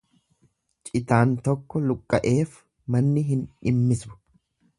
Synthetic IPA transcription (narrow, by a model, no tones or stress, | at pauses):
t͡ʃʼɪt̪aːnt̪ɔkːɔlʊkʼːɐʔe̞ːf | mɐnːɪɦɪnᶑɪmːɪsbʊ̥